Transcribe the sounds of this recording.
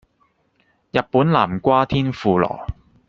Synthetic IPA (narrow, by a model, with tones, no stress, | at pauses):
jɐ˨t̚pːuː˨˥nlaː˨˩mkʷaː˥t̪ʰiː˥nfuː˨˧lɔ̰ː˨˩